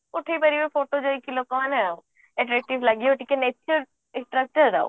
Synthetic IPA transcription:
ʊʈʰipɐɾiʋefoːʈod͡ʒoikilokɔnɛ | eʈɾek̚ʈɪʋlɐɡijoʈikenet͡ʃəɾ | ɪ̃nsʈɾək̚t͡ʃəɾɾa̰o̰

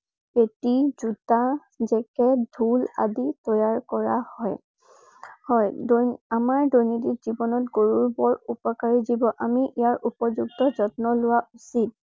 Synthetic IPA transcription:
petizuta | zɛkɛdʱula̰ditɔjaɹkɔɹahɔj | hɔjdamaɹdojnitit̚z̥ibɔnɔtɡoɹuɹbɔɹupɔkaɹizibɔʔamiʔijaɹʔupɔzuktɔzɔtnɔlʊwaʔusit̚

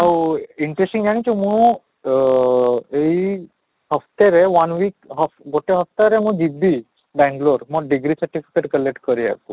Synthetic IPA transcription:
awiɳʈɾesʈiŋd͡ʑaɽ̃ĩt͡ɕumə̃ | ei | həft̪eɾeʋanʋikɦəfɡoʈʰeɦəft̪əɾeməd͡ʒid̪ːi | bɛ̃ɳɖloɾməɖiɡɾisəɾʈifi̥keʈkəlekʈkəɾia̰ku

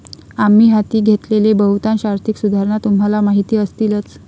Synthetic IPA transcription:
amiːɦat̪iːɡʱet̪lelebəɦut̪ãnɕaɾt̪ʰiksud̪ʱaɾɳat̪umɦalamaɦit̪iːəst̪iːlət͡s

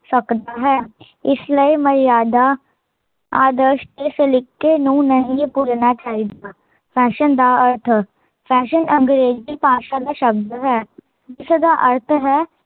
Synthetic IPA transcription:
səkd̪aːɦɛː | ɪsləiːməɾɪjaːd̪aː | aːd̪əɾʃkeːsəlɪkːeːnũːnəɦĩpuːɾnaːt͡ʃaːid̪aː | pʰɛːʃənd̪aːəɾt̪ʰ | pʰɛːʃənəŋɡɾeːd͡ʒiːpaːʃaːd̪aːʃəbd̪ɦɛː | d͡ʒɪsd̪aːʔəɾt̪ʰɦɛː

